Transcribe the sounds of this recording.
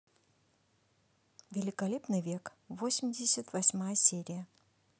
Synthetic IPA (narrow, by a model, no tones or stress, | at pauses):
vʲɪlʲɪkɐlʲepnɨjvʲe̞k | vosʲɪmʲdʲɪsʲət̪vɐsʲmajəsʲeɾʲɪjə